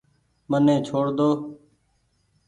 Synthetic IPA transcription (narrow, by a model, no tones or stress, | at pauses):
mənẽːt͡ʃʰoːɽd̪oː